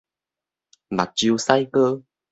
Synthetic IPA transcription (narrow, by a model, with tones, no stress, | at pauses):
ma̰˨˩t̚t͡ɕi˧sa˧jkə˧